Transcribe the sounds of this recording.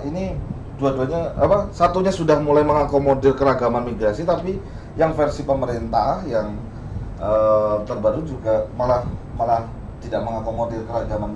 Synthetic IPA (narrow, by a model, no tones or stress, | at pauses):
ini | duaduaɲaapasat̪uɲasudahmulajməŋakomodɪrkəɾaɡamanmiɡɾasit̪api | jaŋfərsipəməɾent̪ahjaŋ | ʔət̪ərbaɾud͡ʒuɡamalahmalah | t̪idaʔməŋakomodɪrkəɾaɡaman